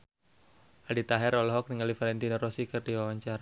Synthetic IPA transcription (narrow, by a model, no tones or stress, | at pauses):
ʔadit̪aɦɛɾɔlɔɦɔk̚niŋalifalɛnt̪inɔrɔsikərdiwawaɲt͡ʃara